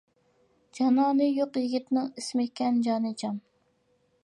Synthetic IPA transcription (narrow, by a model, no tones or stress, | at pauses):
d͡ʒɑnɑːnɨjoqjiɡʲit̪nɪŋismɪkʲːɛnd͡ʒɑːnɨd͡ʒɑm